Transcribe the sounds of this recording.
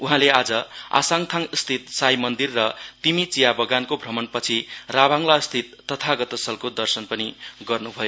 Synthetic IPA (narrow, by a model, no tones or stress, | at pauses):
uɦãlead͡zʌa̰saŋt̪ʰaŋst̪ʰit̪̚sajmʌnd̪irːʌt̪imit͡sijabʌɡankobʱrʌmʌnpʌt͡sʰirabʱaŋlast̪ʰit̪̚ːʌt̪ʰaɡʌt̪ʌsʌlkod̪ʌrsʌnpʌniɡʌrnubʱʌjo